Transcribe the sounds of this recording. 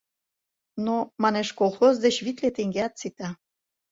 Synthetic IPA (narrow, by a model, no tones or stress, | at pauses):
nomɑneʃkolˠxozd̪et͡ɕβit̪let̪eŋɡeɑt̪̚t͡sit̪ɑ